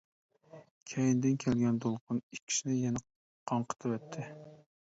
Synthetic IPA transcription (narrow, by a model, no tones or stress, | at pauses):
kʲʰɛjind̪ɪnkʲʰɛlɡʲɛnd̪olˠqʰʊnikʲʰːi̥ʃnɪjɛnɨ | qʰːɑɴqʰə̥t̪ʰɨvɛt̪ʰːɪ